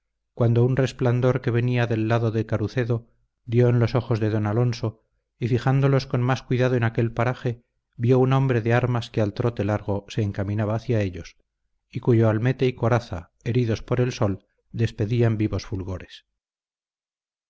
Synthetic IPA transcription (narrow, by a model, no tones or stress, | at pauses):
kwand̪ounre̞spland̪o̞ɾke̞β̞e̞niaðe̞lːaðo̞ðekaɾuθe̞ðo | d̪jo̞enlo̞so̞xo̞zðe̞ðo̞nalo̞nso̞ | ifiχand̪o̞lo̞sko̞nmaskwiðaðoenake̞lpaɾaχe̞ | bjo̞uno̞mbɾe̞ðeaɾmaskealt̪ɾo̞t̪e̞laɾɣ̞o̞se̞ːŋkamĩnaβaːθjae̞ʎo̞s | ikuʝoalme̞t̪e̞iko̞ɾaθa̰ | e̞ɾiðo̞spo̞ɾe̞lso̞l | d̪e̞spe̞ðiambiβo̞sfulɣo̞ɾe̞s